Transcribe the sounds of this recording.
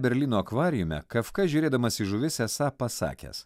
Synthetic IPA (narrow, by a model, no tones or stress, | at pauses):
bʲɛɾʲlʲiːnoːɐkʋɑːɾʲɪjʊmʲɛ̰kɐfkɐʒʲuːɾʲeːd̪ɐmɐsɪʒʊʋʲɪsʲɛsɑːpɐsɑ̰ːkʲḛs